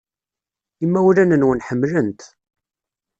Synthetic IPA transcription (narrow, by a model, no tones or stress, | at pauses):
imːæwlænənwənħəmːlənt̪